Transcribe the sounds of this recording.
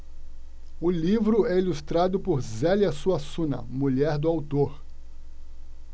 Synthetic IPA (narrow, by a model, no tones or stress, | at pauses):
ʊlivɾʊɛilust̪ɾad̪ʊpoɾzɛljɐsuɐsũnɐ̰muʎɛɾd̪ʊawt̪oɾ